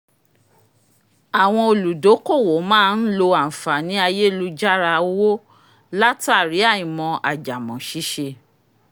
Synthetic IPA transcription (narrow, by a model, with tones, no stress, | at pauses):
a˨w̃ɔ̃˧o˧lu˨do˨˦ko˦˨wo˨˦mãː˦˧n̩˦lo˧a˨n̩˨fa˨nĩ˨˦a˧je˦˧lu˦d͡ʒa˦ɾa˧o˦wo˦ | la˦ta˦˨ɾi˨˦a˦˨ĩ˨mɔ̃˧ʔa˨d͡ʒa˨mɔ̃˨ʃi˨˦ʃe˧